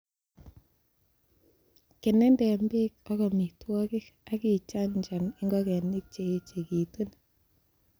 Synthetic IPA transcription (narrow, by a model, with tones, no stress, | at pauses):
ke˨nɛ˦ndɛ˨mbe˦k̚ɔ˦kɔ˨mi˨twɔ˦kɪ˦ka˦ki˨t͡ʃa˦ɲt͡ʃa˨ni˦ŋɡɔ˦kɛ˨nɪ˦k̚t͡ʃe˨˦t͡ʃe˨ki˨tu˦n